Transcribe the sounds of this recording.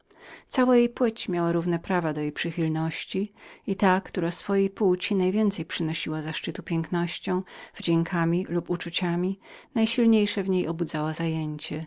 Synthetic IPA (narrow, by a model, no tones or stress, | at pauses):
t̪sawajejpwɘt͡ɕmʲjawaɾuvn̪ɛpɾavad̪ɔjejpʂɘxʲilnɔɕt͡ɕiit̪akt̪uɾasfɔjejput͡ɕinajvʲjɛnt̪sɛjpʂɘnɔɕiwazaʂt͡ʂɘt̪upʲjɛŋknɔɕt͡ɕɔ̃w̃v̥d͡ʑeŋkʰamʲiluput͡ʂut͡ɕamʲi | najɕilɲejʂɛvɲejʔɔbud̪zawazajeɲt͡ɕɛ